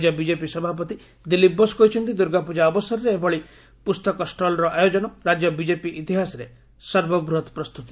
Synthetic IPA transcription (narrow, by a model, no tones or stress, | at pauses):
d͡ʒɔbid͡ʒepisɔbʱapɔt̪i | d̪ilibːɔskɔɦjt͡ʃʰɔnt̪id̪uɾɡapud͡ʒaɔbɔsɔɾɾeebɔɭi | pust̪ɔkɔsʈɔlɾɔʔajod͡ʒɔnɔɾad͡ʒjɔbid͡ʒepiʔit̪iɦasɔɾe | sɔɾbɔbɾuot̪pɾɔst̪ut̪i̥